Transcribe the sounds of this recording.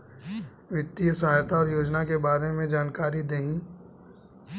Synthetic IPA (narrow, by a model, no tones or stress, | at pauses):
ʋɪt̪ːijəsɐɦaːjt̪aɔːɾjoːd͡ʒnakebaːɾemẽd͡ʒaːnkaːɾid̪eɦĩ